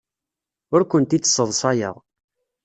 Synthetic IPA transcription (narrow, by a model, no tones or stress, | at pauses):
ʊɾkʷənt̪it͡sːsːəðˤsˤɑjə̰ʁˤ